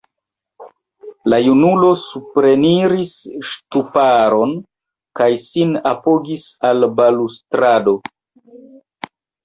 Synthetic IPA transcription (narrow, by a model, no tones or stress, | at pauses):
lajunulo̞supɾe̞niɾisʃtupaɾo̞n | kajsinapoɡisalbalustɾado̞